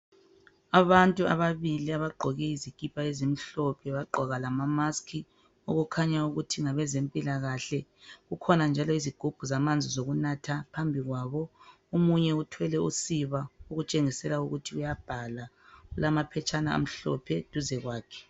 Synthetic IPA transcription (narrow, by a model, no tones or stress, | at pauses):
aβantʼua̰βaβiliaβaɡ͡ǃʱɔɣɛizikʼipʰaezimiɬɔpʰɛβaɡ͡ǃʱɔɣalamamaskʰi | oɣukʰaɲauɣutʰiŋaβɛzempʼilaɣaɬɛɣukʰɔnand͡ʒʱalɔiziɡ̥ʱub̥ʱuzamand͡zʱizoɣunatʰapʰambʱiɣwaβɔ | omuɲɛutʰwɛlɛṵsiβauɣut͡ʃʼeŋisɛlauɣutʰiujab̥ʱala | ulamapʰɛt͡ʃʼanaa̰m̩ɬɔ̰pʰɛtʼuzɛɣwaːkʰɛ̥